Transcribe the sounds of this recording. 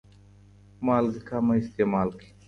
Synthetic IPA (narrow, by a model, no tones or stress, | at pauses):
maːlɡikʰaːmɐist̪eːmaːlkʰi̥